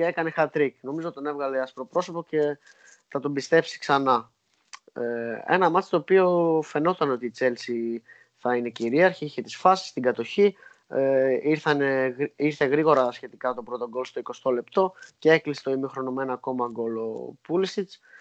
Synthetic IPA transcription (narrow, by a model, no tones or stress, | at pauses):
ekɐnexɐt̪ɾikno̞mizot̪t̪o̞nevɣɐle̞ɐspɾo̞pɾo̞so̞po̞ce̞ | θɐt̪o̞bist̪e̞psi̥ksɐnɐ | e̞̰nɐmɐt͡s̪st̪o̞ːpio̞fe̞no̞t̪ɐno̞t̪iːt͡se̞lsi | θɐine̞ciɾiɐɾçiiçet̪i̥sfɐsi̥st̪iɡɐt̪o̞çi | iɾθɐne̞iɾθe̞ɣɾiɣo̞ɾɐsçe̞t̪ikɐmt̪o̞pɾo̞t̪o̞ɡo̞lst̪o̞iko̞st̪o̞le̞pt̪o̞ceeklise̥t̪o̞imixɾo̞nome̞nɐko̞mɐɡo̞lo̞̰pulisit͡s